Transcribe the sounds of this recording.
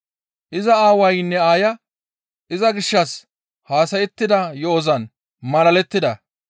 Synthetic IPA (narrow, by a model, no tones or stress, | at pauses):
ʔɪzɐaːwɐjnːɛaːjɐ | ʔɪzɐɡɪʃːɐs | haːsɐjɛt̪ːɪd̪ɐjɔɔzɐn | mɐlɐlɛt̪ːɪd̪ɐ